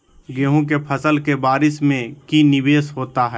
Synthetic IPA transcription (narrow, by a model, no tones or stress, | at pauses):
ɡeːɦõk̬epʰəsəlkebaːɾɪsmẽkinɪʋeːsɦoːt̪aɦɛː